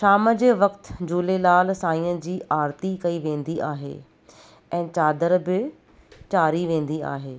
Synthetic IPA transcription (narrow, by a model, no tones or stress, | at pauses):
ʃaːməd͡ʑeːʋɐkt̪d͡ʑuːlelaːlsaːĩːə̃d͡ʑiːaːɾt̪ikɐiʋẽːn̆d̪iʔaːɦḛː | ɛ̃ːt͡ɕaːd̪əɾbɪ | t͡ɕaːɾiʋẽːn̆d̪ia̰ːɦeː